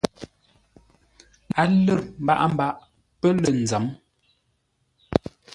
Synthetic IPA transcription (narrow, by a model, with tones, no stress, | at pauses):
a˨lə˦˨ɾm̩˦ba̰˦ʔm̩˦ba˦ʔ | pə˦lə˨n̩˨d͡zə˨˦m